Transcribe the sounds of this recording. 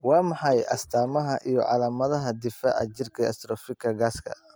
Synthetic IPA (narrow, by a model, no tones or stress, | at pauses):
wɑːmɑħɑjʔɐst̪ʰaːmɐɦɐʔijɞ̰ʕɑ̰laːmɐðɐɦɐd̪ɪfɐʔɐ̰d͡ʒɪrkʰɐɐ̰st̪ɾɔːfɪkʰːɐɡaːskʰɐ̰